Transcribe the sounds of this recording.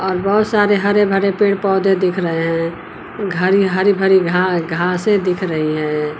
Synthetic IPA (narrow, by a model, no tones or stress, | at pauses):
ɔːɾbəɦʊt̪saɾeɦəɾebʱəɾepẽːɽpɔːd̪ed̪ɪkʰɾəɦeɦɛ̃ | ɡʱəɾiɦəɾibʱəɾiɡʱãɡʱãsed̪ɪkʰɾəɦiɦɛ̃ː